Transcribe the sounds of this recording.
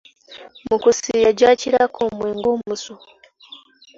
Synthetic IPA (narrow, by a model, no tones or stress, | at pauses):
mukusijaɟaːciɾakʰomweːŋɡo̞ːmmuso